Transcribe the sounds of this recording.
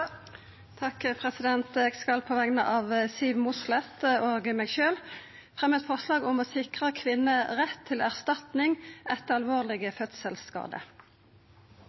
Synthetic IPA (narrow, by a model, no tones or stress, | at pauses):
t̪ʰɑkpʰʁɛsɪd̪ɛnt̪eːɡskɑlpʰɔʋɛŋnəʔɑːʋsiːʋmʊslɛt̪oːɡmeːɡʃøːl | fʁɛmːɛt̪fɔʁslɑːɡʊmoːsɪkʁəkʰʋɪnːəʁɛt̪ʰːɪlæʁst̪ɑt̪nɪŋʔɛt̪əɑlʋoːʁlɪɡəfœt̪səlskɑ̰ːd̪ə̰